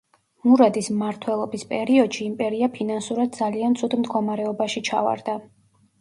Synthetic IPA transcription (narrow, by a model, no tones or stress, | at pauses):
muɾad̪ismmaɾt̪ʰwɛlˠɔbispʼɛɾiɔd̪̥ʃiːmpʼɛɾiapʰinansuɾad̪̚d̪zaliant̪sʰud̪md̪ɡɔmaɾɛɔbaʃit͡ʃʰa̰va̰ɾd̪a